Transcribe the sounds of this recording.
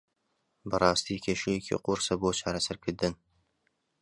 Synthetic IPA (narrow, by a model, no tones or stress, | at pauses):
bɨɾɑːst̪ʰiːkʲʰeʃejekʲʰḭqʊɾsɐbot͡ʃʰɑːɾɐsɐɾkʰɪd̪ɨn